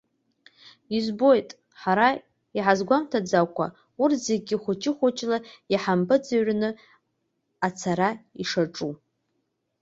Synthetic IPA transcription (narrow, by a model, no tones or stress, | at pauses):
izbo̞jtʼ | ħaɾa | iħazɡʷamtʰad͡zakʷʰa̰ | urzeɡ̚ʲɡʲiχʷʊt͡ʃʰʼɪχʷʊt͡ʃʰʼlajaħampʰɨd͡zaɥnɨ | at͡sʰaɾaiʂaʈ͡ʂʼu